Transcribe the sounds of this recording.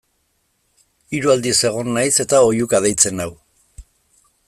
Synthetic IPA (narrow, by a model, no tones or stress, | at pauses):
iɾuald̪ise̞ɣ̞o̞nːajse̞t̪ao̞jukað̞ejt͡se̞naw